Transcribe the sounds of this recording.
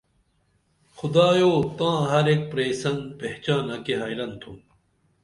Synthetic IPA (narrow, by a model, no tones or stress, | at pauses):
xʊd̪aːjoːt̪ãːɦɐɾek̚pɾeːsɐnd̪peht͡ɕaːnɐkeɦaːjlɐnt̪ʰũː